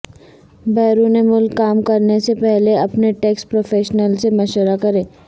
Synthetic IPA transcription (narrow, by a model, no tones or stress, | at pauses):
bɛːɾuːnemʊlkːaːmkːɐɾnesepɛɦleɐpneʈeːkspɾoːfeːʃnəlsemɐʃwəɾakɐɾẽː